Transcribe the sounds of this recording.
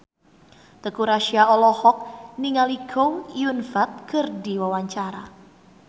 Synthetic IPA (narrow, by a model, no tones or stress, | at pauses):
t̪əkuɾaʃiaɔlɔhɔk̚niŋaliɡowiunfat̪̚kərdiwawaɲt͡ʃaɾa